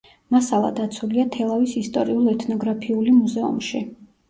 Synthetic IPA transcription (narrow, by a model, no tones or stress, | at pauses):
masalˠa̰d̪at̪sʰuliat̪ʰɛlˠavisist̪ʼɔɾiulˠɛt̪ʰnɔɡɾapʰiulimuzɛṵmʃi